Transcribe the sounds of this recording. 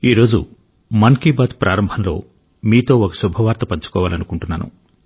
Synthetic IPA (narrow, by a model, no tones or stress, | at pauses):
iːɾo̞ːd͡ʒṵ | mɐnkiːbaːt̪pɾʔaːɾɐmbʱɐnlo̞̰ː | miːt̪o̞ːokɐ̥subʱɐʋaːɾt̪ɐpɐɲt͡ʃu̥kɔːʋaːlɐnukuɳʈunːaːnṵ